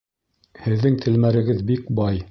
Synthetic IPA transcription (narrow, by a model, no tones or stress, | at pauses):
hɘ̆ðːɘŋt̪ʰɘ̆lmæɾɘ̆ɡɘðbikbɑj